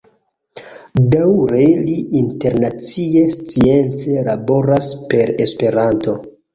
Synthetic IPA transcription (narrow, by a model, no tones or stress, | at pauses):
dawɾe̞liinte̞ɾnat͡sie̞st͡sie̞nt͡se̞labo̞ɾaspe̞ɾe̞spe̞ɾanto̞